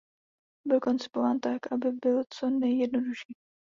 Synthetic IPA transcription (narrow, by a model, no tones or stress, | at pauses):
bɪlko̞nt͡sɪ̥povaːnt̪akʔabɪbɪlt͡so̞nɛjɛdnoduʃiː